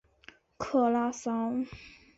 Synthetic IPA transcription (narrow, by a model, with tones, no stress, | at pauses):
kʰɤ˥˩la˥sɑ˥ŋ